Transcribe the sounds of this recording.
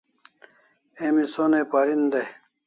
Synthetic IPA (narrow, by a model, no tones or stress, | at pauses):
emisonepaɾind̪e